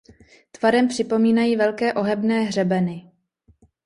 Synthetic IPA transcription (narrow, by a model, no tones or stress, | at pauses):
t̪vaɾɛmpr̝̥ɪpo̞miːnajiːvɛlkɛːʔo̞ɦɛbnɛːɦr̝ɛbɛnɪ